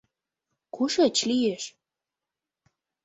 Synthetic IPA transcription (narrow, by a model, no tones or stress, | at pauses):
kuʃat͡ɕlijeʃ